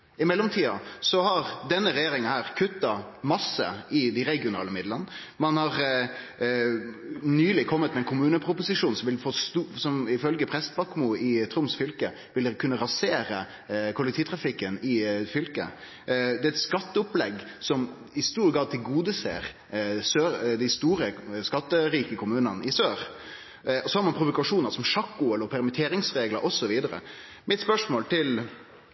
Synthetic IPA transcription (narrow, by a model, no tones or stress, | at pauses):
ɪmɛlːɔmt̪ʰiːɑsɔhɑʁd̪ɛnːəɾɛjeːɾɪŋənhæːʁkʰʉt̪ːɑmɑsːə̰ɪd̪æɪɾɛɡɪʊnɑ̰ːləmɪd̪lən | mɑnhɑɾ | nyːlɪkʰɔmːət̪mɛnkʰʊmʉːnəpʰɾʊpʊsɪʂuːnsɔmʋɪlfɔst̪usɔmɪfœlɡəpʰɾɛst̪bɑkmuɪt̪ʰɾʊmsfʏlkə | ʋɪlkʰʉnːəɾɑseːɾə | kʰʊlɛk̚t̪iːt̪ʰɾɑfɪkːənɪfʏlkə̰ | d̪ɛɛt̪skɑt̪ːəʊplɛɡ | sɔm | ɪst̪uːɾɡɾɑːd̪t̪ʰɪlɡuːd̪əsḛːɾ | søːɾd̪æɪst̪uːɾəskɑt̪ːəɾiːkəkʰʊmʉːnənəʔɪsøːɾ | ɔsɔhɑɾmɑnpʰɾʊʋʊkɑʂuːnəɾsɔmʂɑkːʊɛləpʰɛɾmɪt̪ʰeːɾɪŋsɾeːɡləɾʔɔsɔʋiːd̪əɾə̰ | mʔɪt̪spœʂmoːlt̪ʰɪl